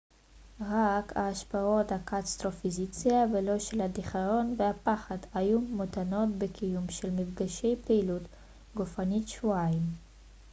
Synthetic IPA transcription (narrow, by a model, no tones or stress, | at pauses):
ʁaka̰ːʃpao̞thakast̪ʁo̞fizit͡siavelo̞ʃelhadiχaʁo̞nvehapaχad̪ajumotano̞tbekʰijumʃelmifɡaʃe̞jpeilut | ɡofanitʃvuaim